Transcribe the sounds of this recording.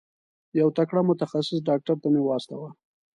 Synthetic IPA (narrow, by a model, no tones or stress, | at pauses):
jawt̪akɽamʊt̪axasɪsɖɑk̚ʈaɾt̪amewɑst̪awa